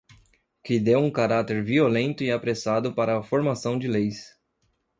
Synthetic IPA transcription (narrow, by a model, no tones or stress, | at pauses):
kɪd̪ewũkaɾat̪eɾviolẽnt̪ʊɪapɾesad̪ʊpaɾɐːfoɾmasɐ̃w̃d͡ʒɪlejs